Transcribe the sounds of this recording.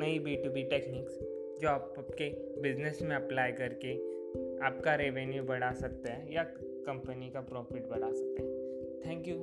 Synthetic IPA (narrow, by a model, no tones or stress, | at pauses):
nɐibiːʈubiʈeːkniːks | d͡ʒoːaːpːpke | bɪd͡ʒnesmẽɐplaːjkɐɾkeaːp̚kaɾeʋenjubɐɽ̤̃asɐk̚t̪eɦɛja | kɐ̃mpənikapɾɔːfɪʈ̚bɐɽasɐk̚t̪eɦɛ̃t̪ʰɛ̃ːŋkju